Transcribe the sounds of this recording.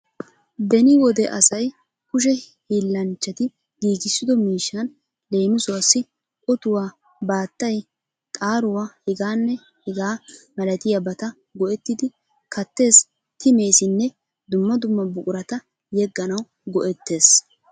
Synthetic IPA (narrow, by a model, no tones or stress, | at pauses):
b̪ɛnɪwɔd̪ɛʔɐsɐj | kʊʃ̬ɛ | hiːlːɐnt͡ʃːɐt̪ɪ | ɡiːɡɪsːɪd̪ɔmiːʃːɐn | le̞ːmɪsʊwasːɪ | ʔʼɔt̪ʊwaː | baːt̪ːɐj | t̪ʼaːɾʊwaːhɪɡaːnːɛ | hɪɡaːmɐlɐt̪ɪjɐbɐt̪ɐ | ɡɔʔɛt̪ːɪd̪ɪ | kɐt̪ːe̞ːs | t̪ɪme̞ːsɪnːɛ | d̪ʊmːɐd̪ʊmːɐbʊkʼʊɾɐt̪ɐ | jɛɡːɐnɐw | ɡɔʔɛt̪ːe̞ːs